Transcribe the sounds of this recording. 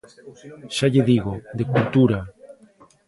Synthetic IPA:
ʃaʎeðiɣod̪ekult̪uɾa

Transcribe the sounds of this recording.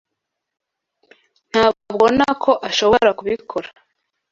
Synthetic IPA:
n̥haːbɡob̚ɡo̞nakʰo̞ʔaʃo̞βoɾakuβikʰoɾa

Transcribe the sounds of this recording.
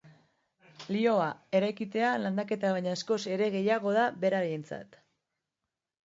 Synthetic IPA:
lio̞ae̞ɾajkit̪e̞aland̪ake̞t̪aβajɲaesko̞se̞ɾe̞ɣe̞jaɣ̞o̞ðaβe̞ɾaɾejent͡sa̰t̪

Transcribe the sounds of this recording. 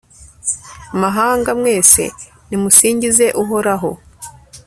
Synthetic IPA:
amaɦaːŋɡamŋe̞ːse̞̰ | nimusiːɲɟize̞ʔuɦo̞ɾaɦo̞̰

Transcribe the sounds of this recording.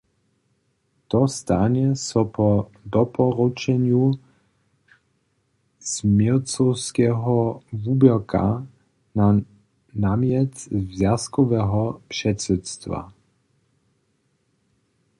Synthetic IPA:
t̪ɔst̪aɲɛsɔpɔd̪ɔpɔɾut͡ʃɛɲju | smɛlt͡sɔwskɛːɦɔvubɛka̰ | na | naːmjɛst̪vzjaskɔvɛːɦɔpʂɛt̪sɛt̪st̪va̰

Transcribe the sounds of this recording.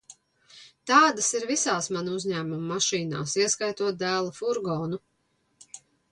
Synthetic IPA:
t̪aːd̪asiɾvisaːsmanuuzɲæːmumːaʃiːna̰ːsiɛskajt̪uɔt̪̚d̪æːlˠafuɾɡɔːnu

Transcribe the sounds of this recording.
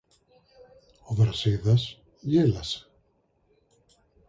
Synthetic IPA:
oðɾaseðas | jelase̥

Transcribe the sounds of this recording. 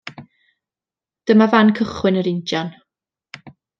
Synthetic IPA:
d̥əmavankʰəχwɪnəɾɪntjan

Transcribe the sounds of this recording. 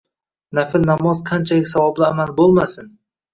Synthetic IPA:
nafɪlnamɒzqʰɑnt͡ʃʰalɪsavɒblɪamalbolˠmasɪn

